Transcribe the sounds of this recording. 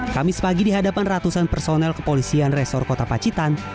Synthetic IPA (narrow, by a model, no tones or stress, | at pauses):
kamɪspaɡidiɦadapanrat̪usanpərsonɛlkə̥polisianrɛsɔrkot̪apat͡ʃit̪an